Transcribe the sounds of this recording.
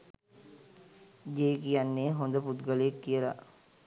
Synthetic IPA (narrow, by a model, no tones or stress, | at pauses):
d͡ʒeːkijanːeɦond̪əput̪ɡəljekːijəla̰